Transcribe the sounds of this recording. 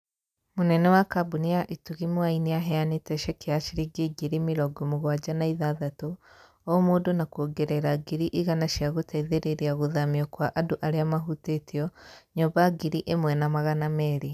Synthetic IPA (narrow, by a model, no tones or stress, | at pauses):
munɛnɛwakabuniaʔituɣimwainijaɦɛanitɛʃɛkeaʃiɾiɡiɡiɾimiɾɔɡomuɣwad͡ʒanaiðaðato | omudonakoɡeɾɛɾaɡiɾiʔiɣanaʃiaɣotʰaiðeɾeɾiaɣuðamiɔkwaʔaduʔaɾeamaɦutetiɔɲubaɡiɾiʔemwɛnamaɣanamɛɾi